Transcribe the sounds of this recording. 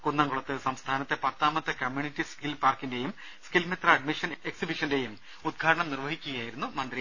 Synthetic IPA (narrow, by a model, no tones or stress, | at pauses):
kunːɐŋɡuɭɐt̪ːɨsɐmst̪ʰaːnɐt̪ːe̞pɐt̪ːaːmɐt̪ːɐkɐmjuːɳnitːiskilpaːrkinde̞jum | skilmit̪rɐɐɖmiʂɐneksibiʂɐnde̞jum | ud̪̚ɡʰʱaːɾɐɳɐmnirʋɐɦikʲːuɣɐjaːjiɾunːumɐnd̪ri